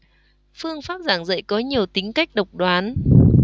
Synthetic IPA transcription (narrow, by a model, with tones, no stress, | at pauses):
fɨ˧əŋfaː˦˥p̚zaː˧˩ŋzə̰˧˨jkɔ˨˦ɲi˨˩əwt̪ï˨˦ŋ̟ka˦˥jk̟̚ɗə˨˩wk͡p̚ɗwaː˨˦n